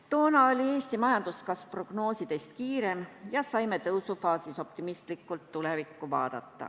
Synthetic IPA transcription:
t̪o̞ːnɑolʲie̞ːst̪imɑjɑnd̪̥uskɑsv̥pro̞ɡ̥no̞ːsid̪̥est̪kiːɾe̞mjɑsɑjmet̪ɤwsufɑːsiso̞p̚t̪imist̪likˑːult̪ːule̞vikːˑuvɑ̰ːd̪̥ɑ̰t̪ˑːɑ̰

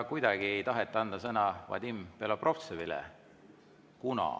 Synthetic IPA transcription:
kujd̪̥ɑɡ̥ie̞jt̪ɑɦet̪ˑːɑnd̪ɑsɤnɑvɑ̰d̪̥ʲimpelɑprʔo̞ft̪sevilɛ̰ | kunɑ̰

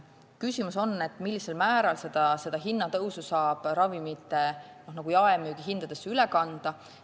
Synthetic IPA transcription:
kysimuso̞nːe̞t̪ːˑmilːise̞lmæːɾɑlse̞d̪̥ɑse̞d̪̥ɑɦinːɑt̪ɤwsusɑːb̥ɾɑvimit̪ːˑe̞nohnɑɡ̥ujɑemyːɡ̥iɦind̪̥ɑd̪̥e̞sylɛkɑnd̪̥ɑ

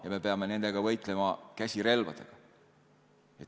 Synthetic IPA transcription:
jɑme̞pe̞ɑme̞ne̞nd̪e̞ɡ̥ɑvɤjt̪ˑle̞mɑkæsʲiɾe̞lvɑ̰d̪̥ḛɡ̥ɑ | et̪

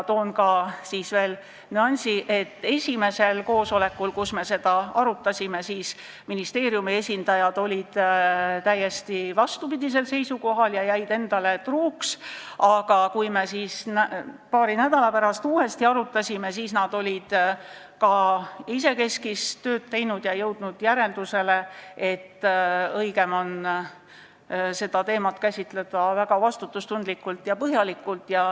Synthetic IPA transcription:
t̪o̞ːnkɑsiːsve̞ːl | nɑnʲsiʔe̞t̪ːe̞sʲime̞se̞lko̞ːso̞le̞kːulkusme̞se̞d̪̥ɑɑɾut̪ːˑɑsʲime̞siːs | minist̪e̞ːɾjumie̞sʲind̪̥ɑjɑd̪̥o̞lʲid̪̥t̪æjːe̞st̪ivɑst̪upid̪ʲis̬e̞lse̞jsuko̞ɦɑljɑjæjd̪e̞nd̪̥ɑle̞t̪ruːks | ɑɡ̥ɑkujmesiːsnæpɑːɾinæd̪̥ɑlɑpæɾɑst̪uːe̞st̪iɑɾut̪ːˑɑsʲime̞siːsnɑd̪̥o̞lʲid̪̥ | kɑis̬e̞ke̞skist̪ø̞ːd̪̥̚t̪e̞jnud̪̥jɑjɤwd̪̥nud̪̥jæɾe̞ld̪̥use̞le̞e̞t̪ːɤjɡe̞mo̞n | se̞d̪̥ɑt̪e̞ːmɑt̪kæsʲit̪le̞d̪̥ɑvæɡ̥ɑvɑst̪ut̪ːˑust̪und̪likːˑult̪ˑjɑpɤɦjɑlikːˑult̪ˑjɑ

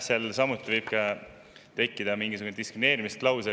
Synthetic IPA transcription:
selsɑmut̪ːˑivɯjb̥̚kɑ | t̪e̞kːˑid̪̥ɑmiŋɡis̬uɡ̥uned̪iskɾineːɾimist̪lɑws̬e

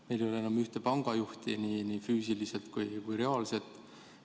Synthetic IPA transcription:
me̞jlejo̞leenːɑmyht̪epɑŋɡ̥ɑjuht̪iniːnifyːsiliselt̪kujkujɾe̞ɑːlse̞t̪ːˑ

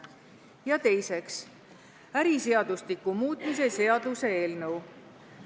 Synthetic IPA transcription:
jɑt̪e̞jse̞ks | æɾise̞ɑd̪̥ust̪ikːumuːt̪ˑmise̞se̞ɑd̪̥use̞eːlnɤw

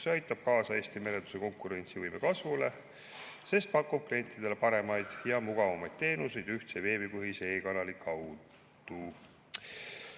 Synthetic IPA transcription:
seɑjt̪ːˑɑb̥̚kɑːsɑe̞ːsʲt̪ime̞let̪u̥se̞ko̞ŋkːˑuɾe̞nt̪sivɯjme̞kɑsvule̞ | se̞st̪̚pɑkːˑub̥̚klie̞nʲt̪ːˑid̪̥e̞le̞pɑɾe̞mɑjd̪̥jɑmuɡ̥ɑvɑmɑjd̪̥t̪e̞ːnuse̞jd̪yht̪seve̞ːbipɯɦise̞ːkɑnɑlikʰːɑwd | d̪̥u

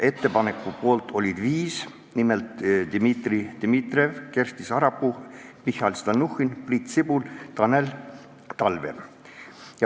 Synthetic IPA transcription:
ʔe̞t̪ːe̞pɑne̞kːˑupo̞ːlt̪ˑʰo̞lʲid̪̥viːs | nimelt̪d̪̥imit̪rid̪̥imit̪re̞vke̞rst̪isɑɾɑpːumihɑlst̪ɑnuhinprit̪sibult̪ɑnel | t̪ɑlve̞̰ | jɑ

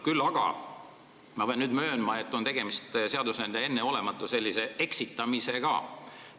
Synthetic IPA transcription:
kylːɑɡ̥ɑ̰ | mɑpeɑnyːd̪mø̞ːnmɑe̞t̪ːˑont̪e̞ɡ̥e̞mist̪se̞ɑd̪usend̪ee̞nːeo̞le̞mɑt̪ːˑuse̞lʲːise̞e̞ksit̪ːˑɑmise̞ɡ̥ɑ̰ː

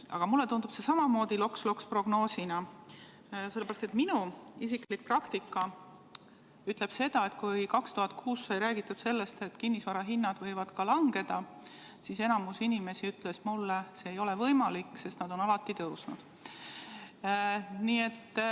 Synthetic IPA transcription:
ʔɑ̰ɡ̥ɑmulːe̞t̪und̪ub̥se̞sɑmɑmo̞ːd̪̥ilo̞kslo̞kspro̞ɡ̥no̞ːsinɑ | se̞lːeeɾɑst̪et̪minuis̬iklik̚prɑkt̪ikːˑɑ | yt̪ˑle̞b̥se̞d̪ɑe̞t̪̚kujkɑkst̪uhɑt̪kʰuːsːɑjɾæːɡ̥it̪ːˑud̪̥se̞lːe̞st̪e̞t̪kinːisvɑɾɑɦinːɑd̪̥vɤ̞jvɑd̪kɑlɑŋɡ̥e̞d̪̥ɑ | sise̞nɑmusinime̞siyt̪ˑle̞smulːese̞ːjo̞le̞vɤjmɑlikːse̞st̪nɑd̪o̞nɑlɑt̪ːˑit̪ɤwsnud̪̥ | niːe̞t̪ː

